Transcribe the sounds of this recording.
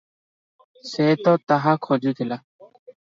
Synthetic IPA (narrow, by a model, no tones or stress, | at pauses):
seːt̪oːt̪aɦaːkʰoːd͡ʒit̪ʰila